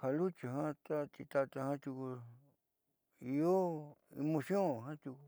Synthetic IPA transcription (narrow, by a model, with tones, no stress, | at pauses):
ha˧lu˦t͡ʃi˨ɦã˦t̪a˦t͡ʃ̪i˧t̪a˧t̪a˧hã˦t̪u˧ku˧ | i˧o˦ḭ˧mõ˧sjõ˦˨ɦã˦t̪u˧ku˧